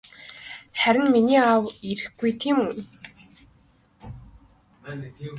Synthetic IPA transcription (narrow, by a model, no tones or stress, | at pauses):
χæɾʲɪ̆nminiːawiɾɘ̆xɡujt̪ʰiːmun